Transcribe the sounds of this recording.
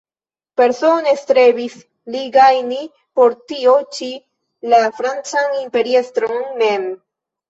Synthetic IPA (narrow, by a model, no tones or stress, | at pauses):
pe̞ɾso̞ne̞stɾe̞bis | liɡajni | po̞ɾtio̞t͡ʃi | lafɾant͡sanimpe̞ɾiestɾo̞nmem